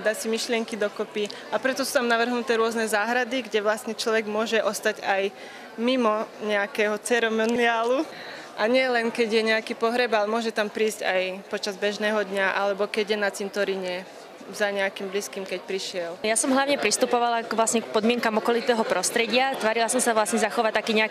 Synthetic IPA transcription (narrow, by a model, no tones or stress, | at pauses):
d̪aːsimiʃlɪɛŋkid̪ɔkɔpi | apɾɛt̪ɔsuːt̪amnaʋr̩ɦnut̪ɛːɾʊɔznɛzaːɦɾad̪iɡɟɛʋlasɲɛt͡ʃlɔʋɛɡmʊɔʒɛʔɔst̪aɟaj | mimɔɲɛakɛɦɔt͡sɛɾɛmɔniaːlu | ʔaɲɪɛlɛnkɛɟjɛɲɛakiːpɔɦɾɛbalɛmʊɔʒɛt̪ampɾiːzcajpɔt͡ʃazbɛʒnɛːɦɔd̪ɲaʔalɛbɔkɛɟjɛnat͡sint̪ɔɾiɲɛ | zaɲɛakimbliskiːmkɛcpɾiʃɪɛljasɔmɦlaʊɲɛpɾist̪upɔʋalakʋlasɲɛkpɔd̪mɪɛŋkamɔkɔlit̪ɛːɦɔpɾɔst̪ɾɛɟɪat̪ʋaːɾilasɔmsaʋlasɲɛzaxɔʋac̚t̪akiːɲɛa